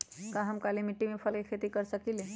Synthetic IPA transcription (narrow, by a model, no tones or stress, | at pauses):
kãɦəmkalimiʈːimepʰəlkekʰet̪ikəɾsəkile